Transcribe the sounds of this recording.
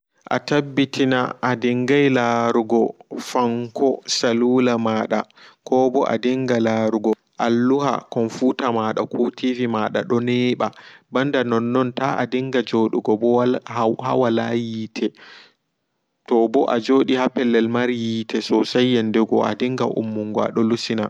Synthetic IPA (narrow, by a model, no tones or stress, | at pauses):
ʔa̰tabːitʰina̰ʔːdiŋɡajlaɾuɡɔfaŋkʰɔsaluːlamaːɗa̰kʰɔbɔʔa̰diŋɡalaɾuɡɔ | ʔalːuha̰kɔnfuːtamaɗa̰kʰutʰivimaɗa̰ɗɔnɛːɓabandanɔnːɔntaʔa̰diŋɡad͡ʒoɗuɡɔbɔahha̰walajiːtʰɛ | tɔbɔʔad͡ʒoːɗihapɛlːɛlmaɾjiːtʰɛsɔsajːɛndɛɡɔa̰diŋɡa̰ʔṵmːuŋɡɔa̰ɗɔlusina